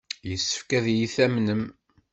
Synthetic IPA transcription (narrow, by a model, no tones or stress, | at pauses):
jəsːə̥fkæðjiθæmnəm